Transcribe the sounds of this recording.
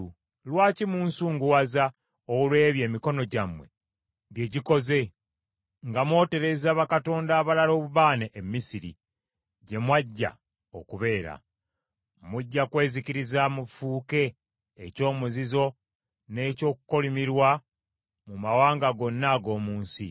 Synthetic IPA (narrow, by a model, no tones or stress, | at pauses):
lwaːcimuːnsuːŋɡuwaza | olwe̞ːβje̞ːmiko̞no̞ɟamwe̞̰ | βje̞ɟiko̞ze̞ | ŋɡamwo̞ːte̞ɾe̞zaβakato̞ːndaːβalalo̞ːβuβaːneʔːmːisiɾḭ | ɟe̞mwaɟːa̰ | okuβe̞ːɾa̰ | muɟːakwe̞ːziciɾizamufuːke̞ː | co̞ːmuzizo̞ | ne̞ːco̞ːkuko̞limiɾwa | mumawaːŋɡaɡo̞nːaɡo̞ːmuːnsḭ